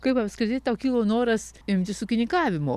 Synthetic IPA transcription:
kɐɪpɐpskɾʲɪt̪ʲɪt̪ɐʊkʲiːlˠoːnoːɾɐsɪmʲt̪ʲɪsʊːkʲɪnʲɪkɑːʋʲɪmo̰ː

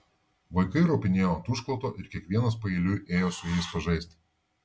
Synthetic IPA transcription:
ʋɐɪkɐɪɾoːpʲɪnʲeːjoːt̪ʊʃklˠɐt̪oːʔɪɾkʲiɛkʋʲiɛnɐspɐɪːlʲʊjʔeːjoːsʊjɛɪspɐʒɐɪsʲt̪ʲ

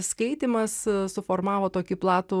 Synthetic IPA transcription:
skɐɪt̪ʲiːmɐssʊfoːɾmɑːʋoːt̪oːkʲɪplˠɑːt̪uː

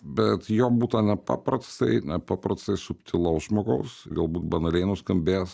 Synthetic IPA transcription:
bʲɛt̪joːbuːt̪ɐnʲɛpɑ̰ːpɾɐst̪ɐɪnʲɛpɑːpɾɐst̪ɐɪsʊpʲt̪ʲɪlˠɐʊsʒmoːɡɐʊsɡɐlˠbuːt̪bɐnɐlʲɛɪnʊskɐmʲbʲeːs

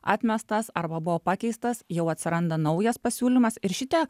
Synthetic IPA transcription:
ɑ̰ːt̪ʲmʲɛst̪ɐsɐɾbɐbʊʋoːpɑːkʲɛɪst̪ɐsjɛʊɐt̪ʲsʲɪɾɐnd̪ɐnɒʊjɛspɐsʲuːlʲɪmɐsɪɾʃʲɪt̪ʲɛ

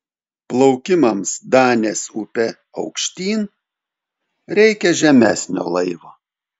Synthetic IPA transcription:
plˠɐʊkʲɪmɐmsd̪ɑːnʲeːsupʲɛ | ɒ̰ʊkʃʲt̪ʲiːn | ɾʲɛɪkʲɛʒʲɛmʲæ̰ːsʲnʲo̰ːlˠɐɪʋoː

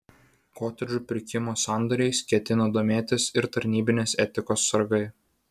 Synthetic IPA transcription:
koːt̪ʲɛd͡ʒʲupʲɪɾʲkʲɪmoːsɑˑnd̪ɔɾʲɛɪskʲɛt̪ʲɪnɐd̪oːmʲeːt̪ʲɪsɪɾt̪ɐɾʲnʲiːbʲɪnʲeːsɛt̪ʲɪkoːsːɐɾɡɐɪ

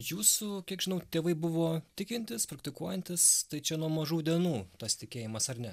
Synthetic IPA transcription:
juːsʊkʲiɛkʒʲɪnɐʊt̪ʲeːʋɐɪbʊʋoːttʲɪkʲɪnʲt̪ʲɪspɾɐk̚t̪ʲɪkuɔjɛnʲt̪ʲɪst̪ɐɪt͡ʃʲɛnuɔmɐʒuːd̪ʲiɛnuːt̪ɐst̪ʲɪkʲeːjɪmɐsɐrnʲɛ

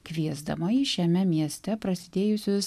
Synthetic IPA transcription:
kʋʲiɛzd̪ɐ̰mɐiʃʲɛmʲɛmʲiɛsʲt̪ʲɛpɾɐsʲɪd̪ʲeːjʊsʲʊs

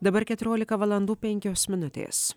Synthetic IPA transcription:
d̪ɐbɐɾkʲɛt̪ʲʊɾʲoːlʲɪkɐʋɐlˠɐnd̪uːpʲɛŋʲkʲoːsmʲɪnʊt̪ʲḛːs

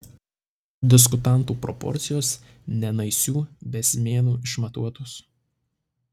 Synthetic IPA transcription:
d̪ʲɪs̬kʊt̪ɑnˑt̪uːpɾɔpɔ̰ɾʲt̪sʲɪjoːs | nʲɛnɐɪsʲuːbʲɛsʲmʲeːnuːɪʃmɐt̪uɔt̪ʊs

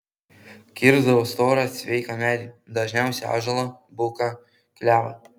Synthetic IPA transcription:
kʲɪɾzd̪ɐʋoːst̪oːɾɐssʲʋʲɛɪkɐmʲæɾʲid̪ɐʒʲnʲæˑʊsʲɛɑ̰ːʒɐlˠobʊkɐ | kʲlʲæːʋɐ̰

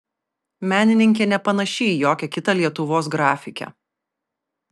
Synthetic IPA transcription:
mʲæːnʲɪnʲɪŋʲkʲeːnʲɛpɐnɐʃʲɛːjoːkʲɛkʲɪt̪ɐlʲiɛt̪ʊʋoːs̬ɡɾɑːfʲɪkʲɛ̰

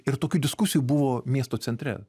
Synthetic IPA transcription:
ɪɾt̪oːkʲud̪ʲɪskʊsʲɪjubʊʋoːmʲiɛst̪oːt͡s̪ʲɛnʲt̪ʲɾʲɛ̰

